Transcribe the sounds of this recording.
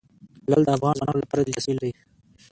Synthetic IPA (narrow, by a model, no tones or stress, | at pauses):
lald̪əafɣɑːnzwɑnɑnolapɑːɾad̪it̪asild̪a